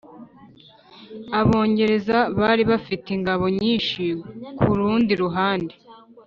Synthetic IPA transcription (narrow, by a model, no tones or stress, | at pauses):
aβo̞ːɲɟe̞ɾe̞zaβaːɾiβafitiŋɡaβo̞ɲiːnʃikʰuɾuːndiɾuɦaːnde